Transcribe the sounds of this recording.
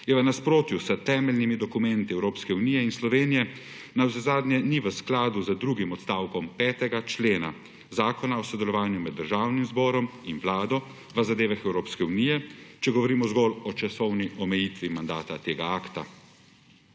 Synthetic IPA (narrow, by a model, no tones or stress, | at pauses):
jɛʋənaspɾoːt̪jusət̪ɛːmɛlnimid̪ɔkumɛnt̪iɛwɾoːpskɛunijɛinslɔʋeːnijɛ | nawzɛzaːd̪njɛniʋəsklaːd̪uzəd̪ɾuːɡimɔt̪st̪aːwkɔmpɛːt̪ɛɡat͡ʃleːna̰ | zaːkɔnaɔsɔd̪ɛlɔʋaːnjumɛd̪ːəɾʒaːwnimzbɔːɾɔminʋlaːd̪ɔ | ʋəzad̪eːʋaxɛwɾoːpskɛunijɛt͡ʃɛɡɔʋɔɾiːmɔzɡɔlɔt͡ʃasɔwniʔɔmɛjit̪ʋimand̪aːt̪at̪eːɡaaːkt̪a